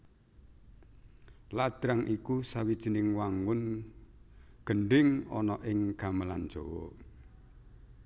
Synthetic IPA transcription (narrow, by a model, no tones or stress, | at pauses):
lad̪̥ɾaŋʔikusawid̥ʒ̥i̤nɪŋwaŋʊn | ɡ̥əɳɖɪŋɔ̰nɔʔɪŋɡ̥aməlan̥d͡ʒ̥owɔ̰